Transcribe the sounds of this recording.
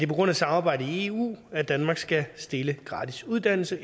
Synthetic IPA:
d̥e̝pʰɒ̽ɡ̥ʁɔ̽n̰æsɑ̈mɑːb̥ɑ̈ɪ̰d̥əie̝ṵːæd̥ænmɑ̈ɡ̥sɡ̥æsd̥e̝ləɡ̥ʁɑ̰̈ːdʰisuð̞ˠd̥æn̰l̩sə

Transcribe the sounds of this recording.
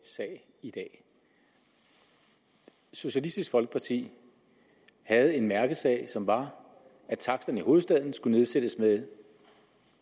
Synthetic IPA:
sɛɪ | id̥ɛ̰ː | so̝ɕælisd̥isɡ̥fɒ̽lɡ̥ə̥pʰɑ̈t͡sʰḭː | hæð̞̩ˠe̝nmæɐɡ̥əð̩ˠsɛ̰ɪsɒ̽mʋɑ̈ | æt͡sʰɑ̈ɡ̥̚d̥ɐnəiho̝ːð̩ˠsd̥ɛð̞̰ˠn̩sɡ̥une̝ð̞ˠsed̥əsmeðˠ

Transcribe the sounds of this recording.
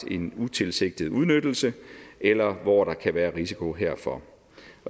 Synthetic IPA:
e̝nut͡sʰe̝lse̝ɡ̥̚d̥ð̩ˠuð̞ˠnød̥l̩səʔelɐʋɒɾ̥ɑ̈kʰæʋæːɐʁisi̥kʰo̝ɦeɐ̰fɒ̽

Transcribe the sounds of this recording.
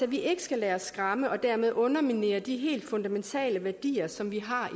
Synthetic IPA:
æʋiʔe̝ɡ̥ə̥sɡ̥ælɛːɐsːɡ̥ʁɑ̈məʔɒ̽d̥æɐme̝ð̞ˠɔ̽nɐmine̝̰ːɐd̥iɦe̝̰ːld̥fɔ̽nd̥æment͡sʰɛ̰ːləʋæɐd̥ḭːɐsɒ̽mʋiɦɑ̈

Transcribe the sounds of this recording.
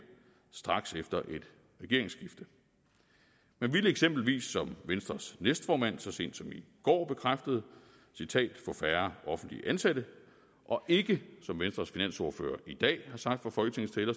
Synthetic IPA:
sd̥ʁɑ̈ɡ̥sefd̥ɐʔe̝d̥ | ʁɛɡ̥e̝ɐe̝ŋsɡ̥ifd̥ə | mænʋiləeɡ̥sem̰b̥l̩ʋḭːsːɒ̽mʋensd̥ʁɐsnesd̥fɒːmæn̰sɒ̽se̝̰ːnd̥sɒ̽miɡ̥ɒ̰ːb̥e̝kʰʁafd̥əð̞̩ˠ | sit͡sʰɛ̰ːd̥fɒ̽fæɐʔɒ̽fn̩d̥lḭʔænseæd̥ə | ʔɒ̽ʔe̝ɡ̥əsɒ̽mʋensd̥ʁɐsfinæn̰so̝ɐfø̰ːɐʔid̥ɛ̰ːhɑ̈sɑ̈ɡ̥d̥fɑ̈fɒ̽lɡ̥ət͡sʰe̝ŋ̩st͡sʰelɐ

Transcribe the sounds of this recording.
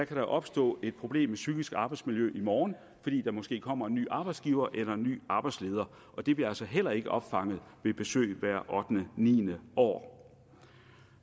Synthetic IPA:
d̥ækʰæɾɑʔɒ̽b̥sd̥ɔ̰̽ːe̝d̥̚pʰʁo̝b̥le̝̰ːmːesyɡ̥isɡ̥ɑ̈ːb̥ɑ̈ɪdsmiljøʔimɒːn | fɒ̽d̥ḭːd̥ɑ̈mɒ̽sɡ̥e̝̰ːkʰɒ̽m̰ɐenːy̰ːʔɑ̈ːb̥ɑ̈ɪdsɡ̥iːʊɐːʔelɐenːy̰ːɑ̈ːb̥ɑ̈ɪd̥sle̝ːð̞ˠɐ | ʔɒ̽d̥e̝b̥liɐælsɒɦel̰ɐe̝ɡ̥əʔɒ̽b̥fɑ̈ŋ̰ð̩ˠʋe̝b̥e̝sø̰ːɪʋæɐ̰ʔɒ̽d̥nənḭːnəɒ̰ː

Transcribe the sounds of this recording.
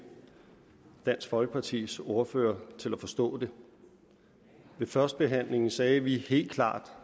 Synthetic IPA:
d̥æn̰sɡ̥fɒ̽lɡ̥əpʰɑ̈t͡sʰḭːso̝ɐfø̰ːɐt͡sʰe̝læfɒ̽sd̥ɔ̰̽ːd̥e̝ | ʋe̝fɶɐsd̥̚b̥e̝ɦæn̰le̝ŋn̩sɛːʋihe̝̰ːld̥̚kʰlɑ̰̈ːd̥

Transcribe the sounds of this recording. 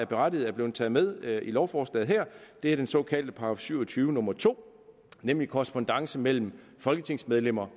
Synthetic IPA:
æɐb̥e̝ʁad̥ið̩ˠæɐble̝ːð̩ˠt͡sʰɛ̰ːð̩ˠmeð̞ˠilɒʊfɒːsd̥ɛ̰ð̩ˠɦæɐ̰d̥e̝æɐd̥ensɔ̽kʰɛ̰ld̥əpʰɑ̈ɒfsyʊɐt͡sʰyːʊənɔ̽mɐt͡sʰo̝̰ː | nemlikʰɒʁsb̥ɔnd̥ɑ̈ŋsəmel̰m̩ | fɒ̽lɡ̥ət͡sʰe̝ŋ̰smeð̞ˠlem̰ɐ

